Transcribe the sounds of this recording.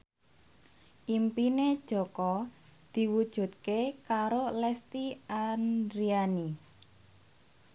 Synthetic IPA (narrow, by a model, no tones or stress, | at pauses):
ʔimpined̥ʒ̥ɔ̤kɔd̪̥i̤wud̥ʒ̥ṳt̪̚kekaɾolɛst̪iand̪ɾiani